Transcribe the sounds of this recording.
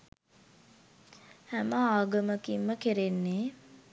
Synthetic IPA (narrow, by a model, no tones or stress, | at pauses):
hæməaːɡəməkimːəkeɾenːe